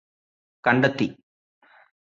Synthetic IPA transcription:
kɐɳɖɐt̪ːi

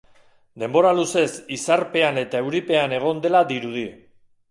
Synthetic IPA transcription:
d̪e̞mbo̞ɾaluse̞sisaɾpe̞ane̞t̪ae̞wɾipe̞ane̞ɣ̞o̞nd̪e̞lad̪iɾuð̞i

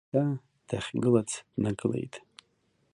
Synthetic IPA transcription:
a | d̥aχʲɡɨlat͡sʰd̥naɡɨle̞̰jtʼ

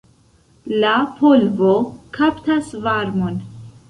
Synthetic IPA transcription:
lapʰolvo̞kʰaptasvaɾmon

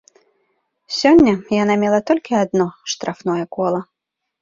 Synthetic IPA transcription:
sʲɔnʲːɐjan̪amʲɛlˠɐt̪ɔlʲkʲiad̪nɔʂt̪ɾʔafnɔjɛkɔlˠɐ

